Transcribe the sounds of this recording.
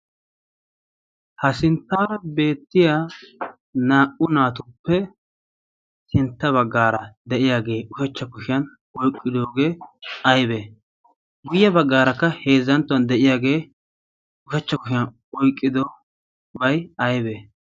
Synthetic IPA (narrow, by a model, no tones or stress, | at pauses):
hɐsɪnt̪ːaːɾɐbe̞ːt̪ːɪjaː | naːʔʊnaːt̪ʊpːɛ | sɪnt̪ːɐβɐɡːaːɾɐd̪ɛʔɪjaːɡe̞ːʊʃɛt͡ʃːɐkʊʃɪjɐn | ɔjkʼːɪd̪oːɡe̞ːɐjbeː | ɡʊjːɐbɐɡːaːɾɐkːɐhe̞ːzːɐnt̪ːʊɐnd̪ɛʔɪjaːɡe̞ː | ʊʃɛt͡ʃːɐkʊʃɪjɐn | ɔjkʼːɪd̪o | bɐjɐjbeː